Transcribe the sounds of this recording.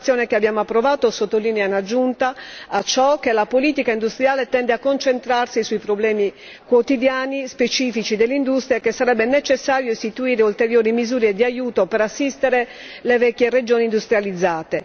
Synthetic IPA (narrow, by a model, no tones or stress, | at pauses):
sjoːnekeabːjaːmoapːɾovaːt̪osot̪ːoliːneanad͡ʒunt̪aːt͡ʃːɔk̟ːelapoliːt̪ikaind̪ust̪ɾjaːlet̪ɛnd̪eakːont͡ʃent̪ɾarsisuipɾoblɛːmi | kwot̪id̪jaːnispet͡ʃiːfit͡ʃid̪elːeind̪ust̪ɾiakesːaɾɛbːenet͡ʃesːaːɾjoist̪it̪uiːɾeult̪eɾjoːɾimizuːɾed̪iajuːt̪opeɾasːist̪eɾe | levɛkːjered͡ʒoːniːnd̪ust̪ɾjalid̪zːaːt̪e